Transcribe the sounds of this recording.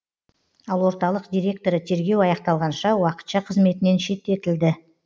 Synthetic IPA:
ɑlˠwo̞ɾt̪ɑlˠəqd̪ʲijɾʲe̞k̚t̪o̞ɾət̪ʰe̞ɾɡʲe̞wɑjɑqt̪ɑlˠʁɑnʃɑwɑqə̥t̪ʃɑqʰəzme̞t̪ɪne̞nʃe̞t̪ːe̞t̪ɪld̪ɪ

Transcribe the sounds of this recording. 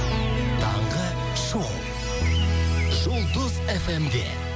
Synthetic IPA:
t̪ʰɑɴʁə | ʃow̪ | ʒolˠd̪əzefemd̪ḛ

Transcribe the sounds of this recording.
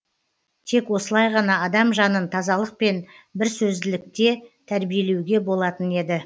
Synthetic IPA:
t̪ʰe̞kwo̞səlˠɑjʁɑnɑːd̪ɑmʒɑnənt̪ʰɑzɑlˠəq̚pe̞n | bɪɾsɵzd̪ɪlɪk̚t̪e̞t̪ʰæɾbije̞le̞wɡʲe̞bo̞lˠɑt̪əne̞d̪ɪ

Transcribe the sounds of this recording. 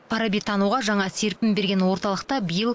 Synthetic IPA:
pʰɑɾabijt̪ʰɑnuʁɑʒɑɴɑse̞ɾpʲɪmbe̞ɾɡʲenwo̞ɾt̪ɑlˠəq̚t̪ɑbijəlˠ

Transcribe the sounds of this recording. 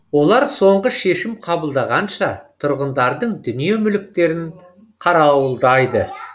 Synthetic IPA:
wo̞lˠɑɾso̞ɴʁəʃe̞ʃɪmqʰɑbəlˠd̪ɑʁɑnʃɑt̪ʰʊɾʁənd̪ɑɾd̪əɴd̪ʏnije̞mʏlɪk̚t̪e̞ɾɪn | qʰɑɾɑwəlˠd̪ɑjd̪ə

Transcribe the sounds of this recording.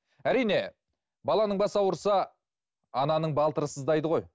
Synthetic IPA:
æɾijne̞ | bɑlˠɑnəɴbɑsɑwəɾsɑ | ɑnɑnəɴbɑlˠt̪əɾəsəzd̪ɑjd̪əʁo̞j

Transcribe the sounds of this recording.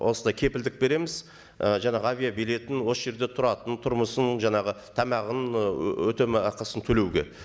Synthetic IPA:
wʔo̞̰sənd̪ɑjkʲʰe̞pɪld̪ɪk̚be̞ɾe̞mɪz | əʒɑɴɑʁəavʲijabijle̞t̪ɪnwo̞səʒe̞ɾd̪e̞t̪ʰʊɾɑt̪ənt̪ʰʊɾməsənʒɑɴɑʁət̪ʰɑmɑʁənɵt̪e̞mɑqɑsənt̪ʰɵle̞wɡʲḛ

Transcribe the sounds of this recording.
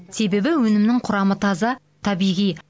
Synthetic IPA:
se̞be̞bɪwɵnɪmnɪŋqʰʊɾɑmət̪ʰɑzɑ | t̪ʰɑbijʁij

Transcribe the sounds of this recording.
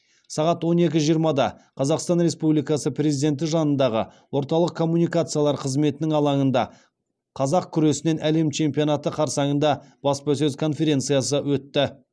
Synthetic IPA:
sɑʁɑt̪wo̞ne̞kʲɪʒijəɾmɑd̪ɑqʰɑzɑqst̪ɑnɾe̞spublijkɑsəpʰɾʲezid̪e̞nt̪̬ɪʒɑnənd̪ɑʁə̰ | wo̞ɾt̪ɑlˠəqkʰo̞mːunijkat̪sɨjalˠɑɾqʰəzme̞t̪ɪnɪŋɑlˠɑŋənd̪ɑ | qʰɑzɑq̚kʲʰʏɾe̞sɪne̞nʔæle̞mt͡ʃʰe̞mpijo̞nat̪əqʰɑɾsɑɴənd̪ɑb̥ɑspɑs̬ɵzkʰo̞nfe̞ɾʲe̞nt̪sɨjasəwɵt̪ːɪ

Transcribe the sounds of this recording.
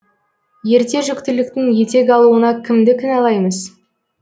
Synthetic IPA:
je̞ɾt̪e̞ʒʏkt̪ɪlɪkt̪ɪŋje̞t̪e̞ɡʲɑlˠuənɑkʲʰɪmd̪ɪkʲʰɪnɑlˠɑjməz̥

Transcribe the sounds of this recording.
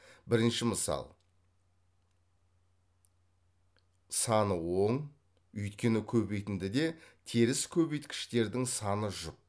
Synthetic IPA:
bɪɾɪnʃɪməsɑ̰lˠ | sɑnəwo̞ɴ | ʏjt̪kʲe̞nɪkʲʰɵbe̞jt̪ɪnd̪ɪd̪e̞t̪ʰeɾɪskʲʰɵbejt̪kʲʰɪ̥ʃt̪e̞ɾd̪ɪŋsɑnəʒʊq̚

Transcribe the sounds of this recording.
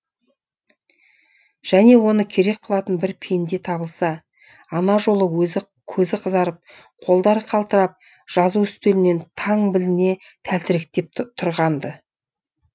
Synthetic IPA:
ʒ̥æne̞wo̞nəkʲʰe̞ɾe̞k̚qʰəlˠɑt̪ənbɪɾpʰend̪e̞t̪ʰɑbəlˠsɑː | nɑʒo̞lˠəwɵz | kʲʰɵzɪqʰəzɑɾəp̚ | qʰo̞lˠd̪ɑɾqʰɑlˠt̪əɾɑp̚ | ʒ̥ɑzuʏst̪e̞lɪne̞nt̪ʰɑɴbɪlɪne̞ | t̪ʰælt̪ɪɾɪk̚t̪e̞p̚t̪ʰʊɾʁɑnd̪ə

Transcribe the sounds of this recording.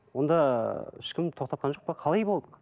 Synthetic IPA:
wo̞nd̪ɑɪʃkʲɪmt̪ʰo̞qt̪ɑt̪qɑnʒoq̚pɑqʰɑlˠɑjbo̞lˠd̪əq

